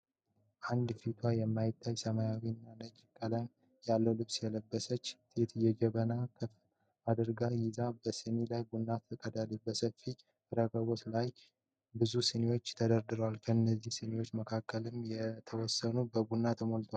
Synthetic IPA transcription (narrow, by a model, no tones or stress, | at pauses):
ʔand̪fit̪ʰwajɛmːajɪt̪ʰːajsəmajawinːanəd͡ʒkʼələm | jalːəwlɨβsjɛləbːəsət͡ʃːt̪ʰe̞t̪jɛd͡ʒɛβənakʰəf | ad̪ɨɾɡajɪzabəsɨnilajɡunːat̪ʰəkʼəd̪alibəsəfːi | ɨɾəɡəβo̞t̪laj | bɨzusənewo̞t͡ʃːt̪ʰəd̪əɾd̪ɨɾəwalkʰəɨnːəzːihsɨnewo̞t͡ʃːməkʰakːəlɨmjɛt̪ʰəwɔsːənubəɡunːat̪ʰəmolt̪ʰwal